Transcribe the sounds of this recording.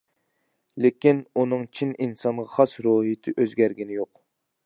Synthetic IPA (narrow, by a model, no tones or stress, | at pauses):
lekʲinunɨŋt͡ʃʰininsɑnʁɑχɑsɾoːɦit̪ʰɪʔøzɡʲæɾɡʲinɪjoq